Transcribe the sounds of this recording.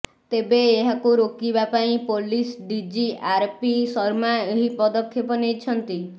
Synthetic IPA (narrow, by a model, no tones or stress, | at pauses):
t̪ebeːɦakuɾokibapaĩpolisɖid͡ʒiʔaɾpisɔɾmaeɦipɔd̪ɔkʰːjepɔnit͡ʃʰɔnt̪i